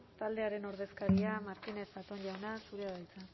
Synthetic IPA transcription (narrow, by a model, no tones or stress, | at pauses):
t̪ald̪e̞aɾe̞no̞ɾð̞e̞skaɾiamaɾt̪ine̞θbat̪o̞nʎawnasuɾeaðajt͡sa